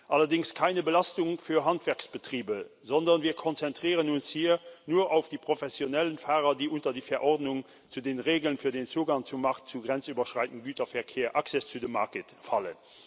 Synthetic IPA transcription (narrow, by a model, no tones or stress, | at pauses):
ʔɑlɐdɪŋskʰaɪnəbəlɑstʊŋfyːɐɦɑntvɛɐksb̥ətʁ̥iːbəzɔndɐnviːɐkʰɔnt͡sɛntʁ̥iːʁənʊnshiːɐnuːɐʔaʊfd̥iːpʁ̥ofɛsjonɛlənfaːʁɐdiːʔʊntɐdiːfɛɐʔɔʁdnʊŋ | t͡sudeːnʁeːɡəl̩ənfyːɐdeːnt͡suːɡɑŋt͡sumːɑχtt͡suɡʁɛnt͡syːbɐʃʁaɪtən̩dɡyːtɐfɛɐkʰeːɐʔaksɛst͡sudəmːakətfɑlə̰n